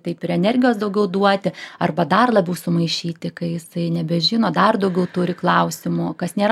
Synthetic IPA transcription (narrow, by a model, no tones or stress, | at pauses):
t̪ɐɪpɪɾɛnʲɛrʲɡʲɪjoːsd̪ɐʊɡʲɛʊd̪uɔt̪ʲɪɐrbɐd̪ɐrlˠɐbʲɛʊsʊmɐɪʃʲiːt̪ʲɪkɐɪjɪsɐɪnʲɛbʲɛʒʲɪnoːd̪ɐrd̪ɐʊɡʲɛʊt̪ʊɾʲɪklˠɐʊsʲɪmʊkɐsnʲeːɾ